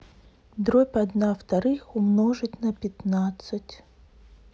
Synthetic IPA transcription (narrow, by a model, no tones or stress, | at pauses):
d̪ɾopʲɐd̪naft̪ɐɾɨxʊmnoʐɨtʲnɐpʲɪt̪nat̪sɨtʲ